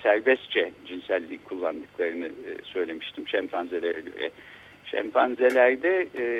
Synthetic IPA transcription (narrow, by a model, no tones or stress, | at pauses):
sæɾbɛst̪t͡ʃʰɛd͡ʒinsælʲːikʰulˠːand̪ɯkʰlˠaɾɯnɯsø̞jlʲe̞miʃt̪ʰimʃæmpʰanzelʲeɾaɟø̰ɾɛ̰ | ʃæ̰mpʰanzelʲæɾd̪ɛ